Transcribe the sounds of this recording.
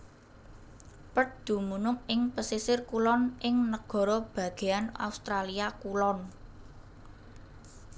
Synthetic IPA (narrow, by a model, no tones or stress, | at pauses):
pət̚d̪̥ṳmunʊŋɪŋpəsisɪrkulɔnʔɪŋnəɡ̥ɔ̤ɾɔb̥ä̤ɡ̥e̤ana̰ust̪ɾaliakulɔn